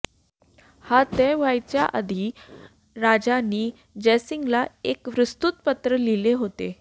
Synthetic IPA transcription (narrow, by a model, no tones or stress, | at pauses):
hat̪eʋajt͡ɕjaʔəd̪ʱi | ɾad͡ʑaniː | d͡ʑesiŋɡlaekʋɾəst̪ut̪̚pət̪ɾəlileɦot̪e